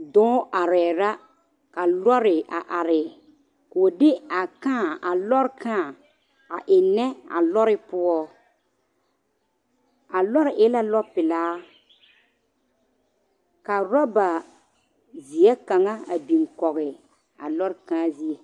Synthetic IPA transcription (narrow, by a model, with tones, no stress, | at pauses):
dɔ̃ː˦ʔa˨ɾɛː˨ɾa˦ | ka˨lɔ˦ɾɪ˨a˨ʔa˨ɾɪ˨ | ko˨dɪ˦a˨kãː˦˨a˨lɔ˦ɾkãː˦˨ | a˨ʔɪ˨nɛ˦a̰˨lɔ˦ɾɪ˦pʊ˦ɔ˦ | a˨lɔ˦ɾɪ˨ʔɪ˦la˦lɔ˦pɪ˨laː˦ | ka˨ɾɔ˦ba˨ | zi˨ɛ˦ka˨ŋa˦a˨bi˨ŋkɔ˨ɣɪ˨ | a̰˨lɔ˦ɾkãː˦zi˦ɛ˨